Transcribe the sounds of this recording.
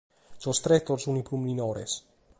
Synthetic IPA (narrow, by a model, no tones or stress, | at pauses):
sost̪ɾɛt̪ːoɾsuniplumninɔːɾḛs